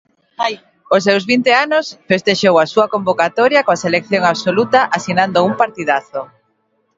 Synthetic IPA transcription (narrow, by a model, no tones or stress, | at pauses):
ʊsːewzβint̪eanʊsfest̪eʃowasuɐkombokat̪ɔɾjɐkoaselek̚θjoŋaβsolut̪aʔasinand̪ouŋpaɾt̪iðaθo